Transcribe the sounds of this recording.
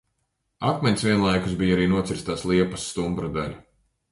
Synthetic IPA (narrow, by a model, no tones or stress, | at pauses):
at̪mʲɛɲʲsviɛnlˠajkusbijaɾiːnuɔsiɾst̪aːslˠiɛpḁsːt̪umbɾad̪alʲu